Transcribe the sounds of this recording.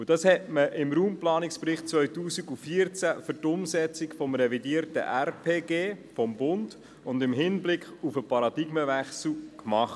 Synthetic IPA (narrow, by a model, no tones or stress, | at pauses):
ud̥ɑshɛtməʔɪmɾuːmplɑːnɪkspɾɪχt̚t͡svœʏtuːsiɡufiəɾt͡sæfʏɾtʊmsɛt͡sɪkfɔmɾɛvidiːɾtə̰ʔærpʰeːɡeːfɔmbʊnd̥ | ʊndɪmɦɪnblɪkχufəpɑɾɑd̥ɪɡ̥məvæχsl̩ˠkmɑχt